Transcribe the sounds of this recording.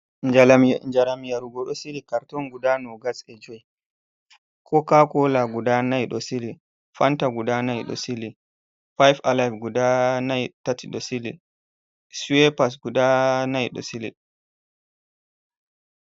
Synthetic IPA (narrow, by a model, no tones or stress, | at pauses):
d͡ʒaɾamjaɾuɡɔɗɔsilikaɾtɔnɡudanɔɡasɛd͡ʒoj | kʰɔkakɔlaɡudanajɗɔsili | fantaɡudanajɗɔ̰sili | fajfalajfɡudanajtatiɗɔsilḭ | sɛpas̬ɡudanajɗɔ̰silḭɗ